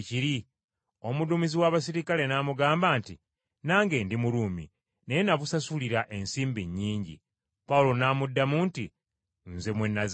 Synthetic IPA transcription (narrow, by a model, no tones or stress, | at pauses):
ciɾi | omudumiziwaβas̬iɾikale̞naːmuɡaːmbaːntḭ | naːŋɡe̞ːndimuluːmḭ | nejenaβusasuliɾaʔe̞nsiːmbiɲːiːɲɟḭ | pawulo̞namudːamuːnti | nze̞mwenːaz